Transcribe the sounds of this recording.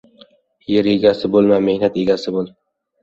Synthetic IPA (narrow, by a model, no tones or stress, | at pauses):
jeɾe̞ɡʲasɪbolˠmame̞hnat̪e̞ɡʲasɪbolˠ